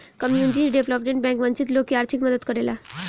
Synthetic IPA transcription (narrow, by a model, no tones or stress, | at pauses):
kəmjuniʈ̬iɖeʋləpmẽɳʈ̚bɛ̃ŋkʋəɲt͡ɕit̪lokːiaɾt̪ʰikməd̪ət̪kəɾela